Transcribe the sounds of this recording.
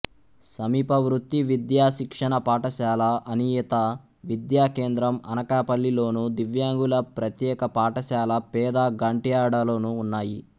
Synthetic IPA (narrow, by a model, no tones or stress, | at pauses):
sɐmiːpɐʋɾut̪ːiʋid̪jaːʃikʂɐɳɐpaːʈɐʃaːlɐʔɐnijɐt̪ɐ | ʋid̪jaːke̞ːnd̪ɾɐmɐ̰nɐkaːpɐlːilo̞ːnud̪iʋjaːŋɡulɐpɾɐt̪jɛːkɐpaːʈɐʃaːlɐpɛːd̪aːɡaːɳʈijaːɽɐlo̞ːnuːnːaːjḭ